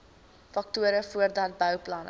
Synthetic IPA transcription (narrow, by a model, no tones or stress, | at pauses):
fɐk̚tuəɾəfuərdɐt̚bœwplɐn